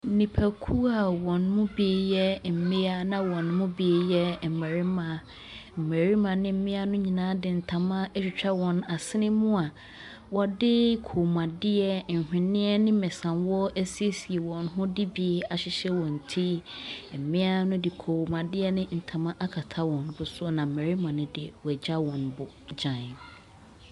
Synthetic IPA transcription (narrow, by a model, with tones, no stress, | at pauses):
nĩ˨pʰæ˨kʰu˦a˨wɔ̃˨n˦mʊ̃˦bi˦jɛ˦m̩˨mɪ̃˦a˦nã˦wɔ̃˨n˦mʊ̃˦bi˨˦jɛ˦m̩˨mæ˨ɾi˦mã˨ | m̩˨mæ˨ɾi˦mã˨nɪ̃˦m̩˦mɪ̃˦a˦nʊ̃˦ɲĩ˨nãː˨˦dɪ˨n̩˨tʰã˨mã˦ɛ˦ɕᶣɪ˨t͡ɕᶣa˦wɔ̃˨na˨sɪ˦nɪ̃˦mʊ̃˦a˨ | wɔ˨dɪ˦kʰo˨mã˨dɪ˦ɛ˦n̩˨hᶣɪ̃˨nɪ̃˦ɛ˦nɪ̃˦mɛ˨sã˨nwɔ˦æ˦si˦e˦si˨ɛ˨wɔ̃˨n˦ɦʊ̃˦dɪ˦bi˦a˨ɕɪ˨ɕɛ˦wɔ̃˨n̩˨tʰi˦˨m̩˨mɪ̃˦a˦nʊ̃˦dɪ˨kʰo˨mã˨dɪ˦ɛ˦nɪ̃˦n̩˨tʰã˨mã˦ʔa˦kʰa˨tʰa˦wɔ̃˨n˦bʊ˨sʊ˦ɔ˦nã˨m̩˨mæ˨ɾi˦mã˨nʊ̃˦dɪ˨wæ˨d͡ʑa˦wɔ̃˨nbʊ˨ | d͡ʑã˨n˨